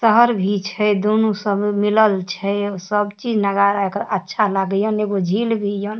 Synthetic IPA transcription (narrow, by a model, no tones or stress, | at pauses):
səɦəɾbʱit͡ʃʰɛd̪onusəbmiləlt͡ʃʰɛsəbt͡ʃid͡ʒnəɡaɾaekəɾətːʃʰalaɡəjəneɡod͡ʒʱilbʱijən